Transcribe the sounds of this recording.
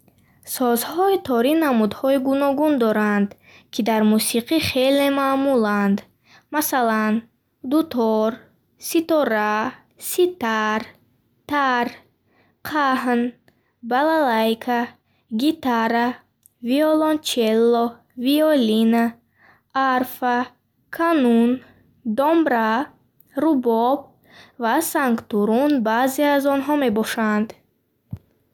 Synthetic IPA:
sɔzhɔit̪ʰɔɾinamud̪hɔiɡunɔɡund̪ɔɾand̪ | kʰid̪aɾmusiqiχelemamuland̪ | masalan | d̪ut̪ʰɔɾ | sit̪ɔɾa | sit̪aɾ | t̪aɾ | qʰaɦn | balalajkʰa | ɡit̪aɾa | viɔlɔnt͡ʃʰelːɔ | viɔlinaː | ɾfa | kʰanun | d̪ɔmbɾa | ɾubɔb̚ | vasaŋkt̪uɾunbaziazɔnɦɔme̞bɔʃand̪

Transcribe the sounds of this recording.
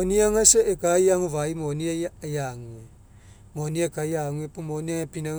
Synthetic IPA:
oniaŋaseekajaŋuβaimoniajajaŋue | moniekajaŋuepumoniaŋapina

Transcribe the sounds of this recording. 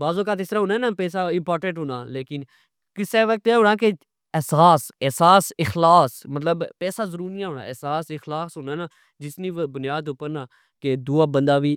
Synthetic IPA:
baːzõːkaːt̪ɪst̪əɾãːɦõːnɛːnaːpɛːsaːɪmpaːɾʈə̃ɳʈɦoːna̰ːleːkɪn | kɪseːʋək̚t̪eːɦoːɽ̃ãːke | ɛsaːsɛːsaːsɪxlaːsmət̪̬ləbpɛːsaːzəɾuːɾnɪãːɦoːna̰ːɛsaːsɪxlaːsɦoːnaːnaː | d͡ʒɪsniːbʊnɪjaːd̪ʊpəɾnaː | ked̪uːaːbənd̪aːʋiː

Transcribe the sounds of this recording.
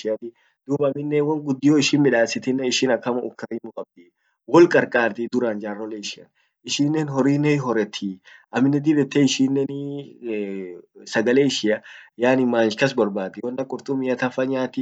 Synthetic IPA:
ʃɪjɐt̪ɪ | d̪̥uːbɐmɪnːɛwɐŋɡʊd̪ːɪjoɪʃɪnmɪᶑaːsɪt̪ɪnːɛɪʃɪnɐkːɐmɐʊkːɐɾiːmʊkʼɐb̚d̪ɪ | wɔlkʼɐɾkʼaːɾt̪ɪd̪ʊɾaːnd͡ʒaːrːɔleɪʃɪɐ̰n | ɪʃiːnːeːnɦɔɾiːnɛɦɔɾɛt̪ʰːiʔɐmɪnːɛd̪ɪbɛt̪ːɛɪʃiːnːɛn | sɐɡɐleːɪʃɪɐjaːnɪmaːnʃkɐs̬bɔɾbaːt̪ːɪwɔnːɐkʼʊɾt̪ʼʊmɪjɐt̪ɐfɐɲaːt̪ɪ

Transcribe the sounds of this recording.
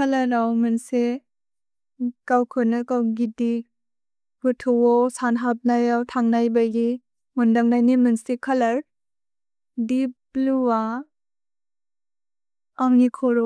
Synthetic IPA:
kʰalaɾawmɯnse | kawkʰɯnɯkawɡidi | b̥ɯtʰɔwɔsanɦap̚najawtʰaŋnajbaɡi | mundaŋnajnimɯnsikʰalaɾ | dibluwa | ŋŋikʰɔɾɔ

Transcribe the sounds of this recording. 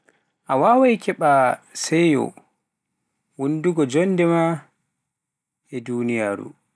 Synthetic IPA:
ʔawawajkʰɛɓasɛjɔ̰ | wunduɡɔd͡ʒɔnːdɛma | ʔɛduːnijaːɾṵ

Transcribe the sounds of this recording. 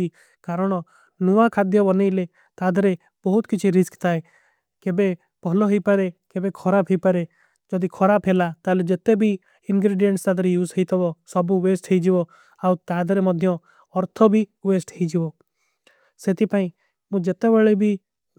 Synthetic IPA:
i | kaːɾəɽ̃ɔ | nuʋakʰad̪jɔbɔnele | t̪aːd̪ɾe | bɔɦʊt̪kɪt͡ʃʰiɾɪskt̪aːe | kebe | pɔɦloɦipəɾekebekʰɔɾapʰɦipəɾe | d͡ʒɔd̪ikʰɔɾapʰelat̪aːled͡ʒet̪ebʱi | ɪnɡɾeːɖijəɳʈst̪aːd̪ɾejuːzɦəit̪ɔʋɔsɔbũʋeːsʈʰeid͡ʒiʋɔ | aut̪aːd̪ɾemɔd̪ʱjɔ̃ | ɔɾt̪ʰɔbʱiʋeːsʈɦeid͡ʒiʋɔː | set̪ipaːĩ | mũːd͡ʒet̪ebeɭebʱi

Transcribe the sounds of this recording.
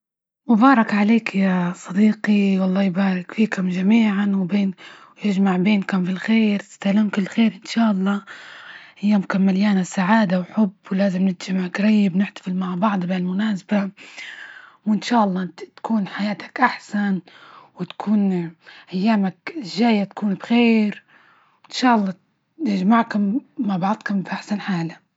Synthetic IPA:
mʊbɑːɾˤɑkʕaleːkjasˤɑd̪iːqiwɑlˤːɑːjbaːɾˤɪkfiːkʊmʒamiːʕanwbeːn | jɪʒmaʕbeːnkʊmfɪlxeːɾt̪ɪ̥st̪alaːmkɪlːxeːɾʔɪnʃaːʔɑlˤːɑː | ʔajːaːmkʊmːaljaːnasaʕaːd̪awħʊbːwlaːzɪmnɪt̪ʒɪmʕakɾˤɑjːɪbnɪħt̪ḁfɪlmaʕbɑʕd̪ˤbeːɪlmʊnaːsba | wʔɪnʃaːʔɑlˤːɑːt̪kuːnħajaːt̪ḁkʔaħsan | wɪt̪kʰuːnʔajːaːmakʒaːjat̪ḁkuːnbxeːɾ | ɪnʃaːʔɑlˤːɑː | nɪʒmaʕkʊmːabɑʕd̪ˤkʊmfʔaħsanħaːla

